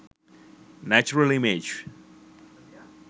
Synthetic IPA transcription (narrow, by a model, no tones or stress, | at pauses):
næt͡ʃuɹəlɪmɪd͡ʒ